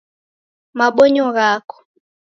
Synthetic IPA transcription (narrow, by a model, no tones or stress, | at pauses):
maɓɔɲɔɣakɔ̥